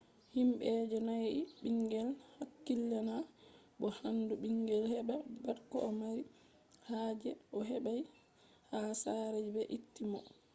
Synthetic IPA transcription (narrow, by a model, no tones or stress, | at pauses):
himɓɛd͡ʒɛnajʔiɓiŋɡɛlhakːilːana | bɔhanduɓiŋɡɛlhɛɓabaɾkɔɔmaɾi | haːd͡ʒɛʔɔɦɛɓaj | hasaɾɛd͡ʒbɛʔitːimɔ